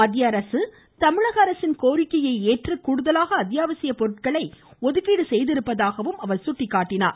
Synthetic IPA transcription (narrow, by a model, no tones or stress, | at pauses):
ɐðɪjɐɾɐsɯ | t̪ɐmɪɻɐɣɐːɾɐsɪnkoːɾɪkːɐjɐɪeːʈrɯkːuːɽɯðɐlaːɣɐːt̪ɪjaːʋɐsɪjɐpɔɾɯʈkɐɭɐɪɔðɯɣiːɽɯsɛjðɪɾɯpːɐðaːɣɐʋɯmɐʋɐɭsʊʈːɪkːaːʈːɪna̰ːɾ